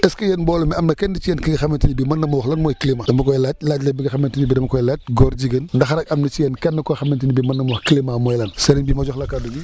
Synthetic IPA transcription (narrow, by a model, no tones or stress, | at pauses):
ɛskɐjɛnbɔːlumiɐmnɐkɛndit͡ʃijɛnkiɡɐxɐmentinibimɐnːɐmwɔxlɐnmɔːjkilimadɐmɐkɔjlat̚laːtlebiɡɐxɐmentinibidɐmɐkɔjlaːt̚ɡɔːɾɟiɡənndɐxɐɾɐkɐmnɐt͡ʃijɛnkɛnːɐkɔjxɐmentinibimɐnːɐmɐwɔxklimamɔjlɐnsɐɾinbimɐd͡ʒɔxlɐkaduɡi